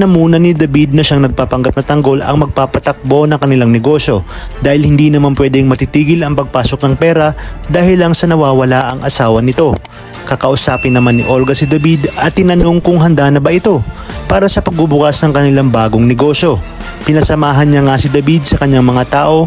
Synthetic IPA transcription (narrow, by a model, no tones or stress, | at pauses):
nɐmuːnɐnɪd̪ɐbid̪̚nɐʃaŋnɐɡ̚papɐŋɡap̚nɐt̪ɐŋɡo̞lɐ̰ŋmɐɡ̚paːpɐt̪ɐk̚bo̞nɐŋkɐnɪlaŋnɛɡo̞ʃjo̞d̪aːhɪlhɪnd̪iːnɐmanpwɛːd̪ɛŋmɐt̪it̪iːɡɪlɐŋpɐɡ̚paːso̞k̚nɐŋpɛːɾɐd̪aːhɪlːɐŋsɐnɐwaːwɐlaʔɐŋʔɐsaːwɐnɪt̪o̞ | kɐkɐʔʊsaːpɪnːɐmanːɪ̰ʔo̞lɡɐsɪd̪ɐbid̪ɐt̪ːɪnɐno̞ŋkʊŋɦɐnd̪aːnɐbɐʔɪt̪o̞paːɾɐsɐpɐɡ̚bubʊkasnɐŋkɐnɪlaŋbaːɡo̞ŋnɛɡo̞ːʃjo̞ | pɪnɐsɐmaːɦɐnɲaŋasɪd̪ɐbid̪̚sɐkɐɲːaŋmɐŋat̪aːʔo̞